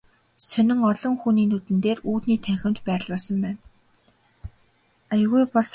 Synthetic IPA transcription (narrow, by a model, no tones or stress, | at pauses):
sœnʲɪ̆ŋɔɮɞ̆ŋxuniːnut̪ɘ̆nt̪eːruːt̪niːt̪ʰæxʲɪ̆mt̪pæːɾ̆ɮpaːsə̆mpæːn | ajɣujpɔs